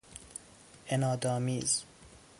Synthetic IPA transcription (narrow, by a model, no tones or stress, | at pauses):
enɒːd̪ɒːmiːz